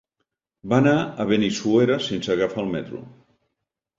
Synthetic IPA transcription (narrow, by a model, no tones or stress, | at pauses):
banaəβenisueɾasensəɣafaːlˠmɛt̪ɾṵ